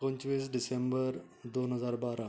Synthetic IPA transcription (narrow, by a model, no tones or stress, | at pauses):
pəɲt͡ʃʋis̬ɖisembəɾ | d̪onɦəzaɾbaːɾa